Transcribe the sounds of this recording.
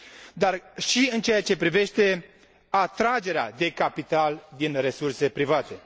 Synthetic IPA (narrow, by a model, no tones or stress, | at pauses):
d̪arʃiɨnt͡ʃejat͡ʃe̞pɾive̞ʃt̪e̞ | at̪ɾad͡ʒe̞ɾea̰d̪e̞kapit̪ald̪inre̞surse̞pɾivat̪e̞